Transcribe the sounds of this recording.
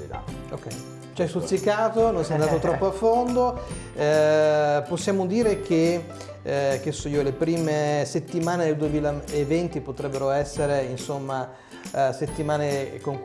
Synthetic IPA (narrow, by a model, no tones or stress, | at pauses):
o̰kːɛ̰j | t͡ʃɛsulsikːaːt̪ononsɛamnd̪at̪ot̪ɾɔpːoafːond̪o | posːjaːmod̪iːɾek̟ʰe | k̟esːoiːolepɾiːmeset̪ːimaːned̪eld̪uemiːlaevɛnt̪ipot̪ɾɛbːeɾoɛsːeɾeinsomːa | set̪ːimaːnekoŋk